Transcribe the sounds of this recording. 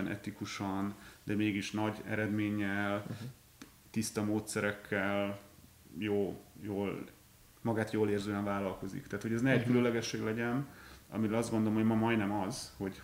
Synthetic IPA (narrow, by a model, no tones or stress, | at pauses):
ɛnʔɛ̰t̪ikuʃɒnd̪ɛmeːɡiʃnɒɟɛ̰ɾɛd̪meːɲːɛl | t̪ist̪ɒmoːt̪sɛɾɛkʰːɛl | joːjoːl | mɒɡaːt̪joːleːrzøːɛɱvaːlɒlko̞zḭkt̪aːt̪ho̞ɟɛznɛɛɟkylølɛɡɛʃːeːɡlɛɟɛnɒ̰miɾɛlɒzd̪ɡo̞nd̪o̞lomɦoɟmɒmɒjnɛmɒz̥ho̞ɟ